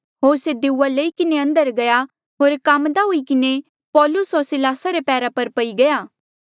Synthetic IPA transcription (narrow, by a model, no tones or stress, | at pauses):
ɦoːɾsed̪ɪuːaleikɪneɐ̃nd̪əɾɡɐja | ɦoːɾkamd̪aɦʊikɪne | pɔːlʊsɦoːɾsɪlaːsaɾepɛːɾapɐɾpɐiɡɐjaː